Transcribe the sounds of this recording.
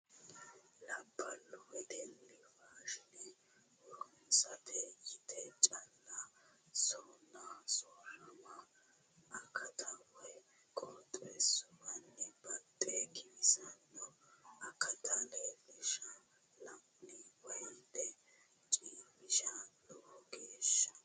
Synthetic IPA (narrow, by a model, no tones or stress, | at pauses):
lɐbːɐlːɔwɛd̪ɛlːɪfaːʃɪnɛ | wɔɾʊnsɐt̪ʰɛjɪt̪ʰɛt͡ʃʼɐlːasɔːnːasɔːlɐmɐː | kʰːɐt̪ʰɐwɛ | kʼɔːt̪ʼːesʊwɐnːɪbɐt̪ʼːɛɡɪmɪsɐnːɔɐkʰɐt̪ʰɐleːlɪʃɐ | lɐmnɪwɐjd̪ɛ | t͡ʃʼiːmɪʃɐlɔʔɔɡeːʃːɐ̥